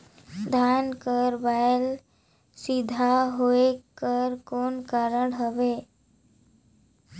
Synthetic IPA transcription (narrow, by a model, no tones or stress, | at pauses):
d̪ʱankəɾbael | sid̪ʱaɦoekəɾkoːnkaɾəɽɦəʋe